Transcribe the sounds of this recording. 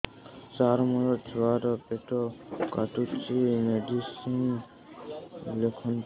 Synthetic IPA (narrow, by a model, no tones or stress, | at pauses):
t͡ʃaɾmɔɾɔd͡ʒwaɾɔpeʈɔkaʈut͡ʃimeɖisin | lekʰɔn